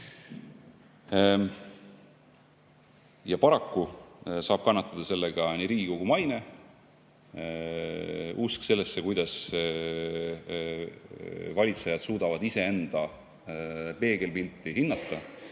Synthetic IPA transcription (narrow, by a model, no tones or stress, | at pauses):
jɑpɑɾɑkːusɑːb̥kɑnːɑt̪ːˑɑd̪̥ɑse̞lːeɡ̥ɑniɾiːkokumɑjne̞ | ʔuskse̞lːesːe̞kujd̪̥ɑs | vɑlʲit̪se̞jɑd̪̥suːd̪̥ɑvɑd̪ise̞e̞nd̪̥ɑ | pe̞ːɡe̞lpilʲt̪ːˑihinːɑt̪ːˑɑ